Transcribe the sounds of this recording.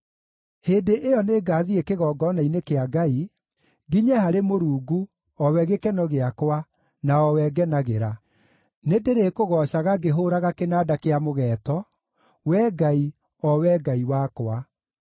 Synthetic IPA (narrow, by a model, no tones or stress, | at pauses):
heːdeʔejɔneɡaːðiekeɣɔːɡɔnainekeaɡai | ɣiɲɛhaɾemoɾuːɡu | ɔwɛɣekɛnɔɣeakwa | naɔwɛɡɛnaɣeɾa | nedeɾekoɣɔɕaɣaɡeɦoɾaɣakenaːdakeamoɣɛːtɔ | wɛːɡai | ɔwɛːɡaiwakwa